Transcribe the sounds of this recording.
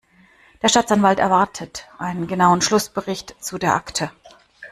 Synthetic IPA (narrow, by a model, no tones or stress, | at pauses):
d̥eːɐʃtaːt͡sanvaltɛɐvaɐtʰətʔaɪnənɡənaʊənʃlʊsb̥əʁɪçtt͡sudeːɐʔaktʰə